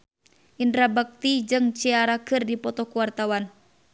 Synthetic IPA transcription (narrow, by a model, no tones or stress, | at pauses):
ʔindɾabak̚t̪id͡ʒɨŋt͡ʃiaɾakɨrdipɔt̪ɔkuwart̪awan